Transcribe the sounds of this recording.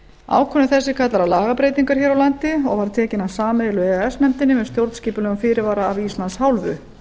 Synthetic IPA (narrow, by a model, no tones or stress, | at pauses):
a̰ːwkʰɔnɪθɛsːɪkʰat̪laɾalaːɣapɾeːjt̪iŋkaɾ̥çɛːɾawlant̪ɪɔɣvaɾ̥t̪ʰɛːcɪnasaːmeðlʏɛɛsnɛmt̪ɪnːɪmɛðst̪jowɾt̪sciːpʏlɛɣʏmfɪːɾɪɾvaːɾaːvist̪lanshawlvʏ̰